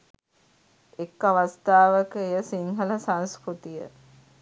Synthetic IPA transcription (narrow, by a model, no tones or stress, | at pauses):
ekːaʋast̪aːʋəkəejəsiŋɦələsanskɾut̪ijə̰